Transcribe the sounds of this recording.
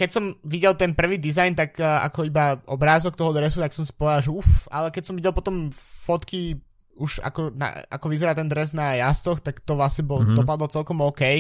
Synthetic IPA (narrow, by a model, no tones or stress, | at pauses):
kɛcsɔmʋiɟɛlt̪ɛnpr̩ʋiːd̪izajnt̪akːa̰kɔibaɔbɾaːzɔk̚t̪ɔɦɔd̪ɾɛsut̪aksɔmsi̥pɔʋɛd̪alˠʒɛufalɛkɛcsɔmʋiɟɛlˠpɔt̪ɔmfɔt̪ki | uʒa̰kɔna̰a̰kɔʋizɛɾaːt̪ɛnd̪ɾɛznajast͡sɔxt̪akt̪ɔʋlasɲɛbɔld̪ɔp̬ad̪ɔlt͡sɛlkɔmɔkɛj